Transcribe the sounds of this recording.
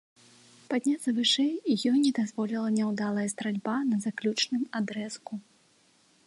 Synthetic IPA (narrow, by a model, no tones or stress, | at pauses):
pad̪ʲnʲat̪sɐvɨʂɛjijɔnʲɛd̪azvɔlʲilˠɐnʲɛwd̪alˠɐjɐst̪ɾalʲbanɐzaklʲut͡ʂnɨmad̪ɾɛsku